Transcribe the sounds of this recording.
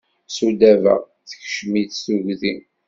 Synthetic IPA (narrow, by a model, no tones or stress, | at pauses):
sud̪ævə̰ʁ | θə̥çʃmiθθuʝðin